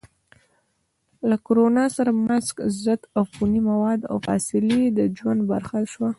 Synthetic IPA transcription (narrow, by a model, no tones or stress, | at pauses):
lakoɾonɑsaɾamazkzət̪awxunimawɑd̪a̰wfɑ̰sɪled̪əd͡ʒwand̪ba̰ɾxaʃwa